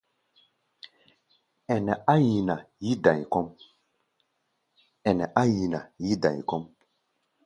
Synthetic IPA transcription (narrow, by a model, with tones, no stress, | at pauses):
ɛ˨nɛ˨ʔa˦ji˨na˨ji˦dã˨jkɔ˦m | ɛ˨nɛ˨ʔa˦ji˨na˨ji˦dã̰˨jkɔ˦m